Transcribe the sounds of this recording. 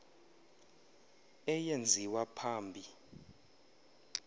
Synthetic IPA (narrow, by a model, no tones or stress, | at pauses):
ɛjend͡zʱiwapʰaːmbʱi